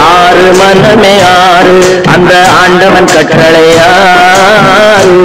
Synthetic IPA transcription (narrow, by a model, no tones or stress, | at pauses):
aːrɯmɐnɐmeːaː | ɾɯ | ɐnd̪ɐaːɳɖɐʋɐnkɐʈrɐɭɐ | aː | ɾɯ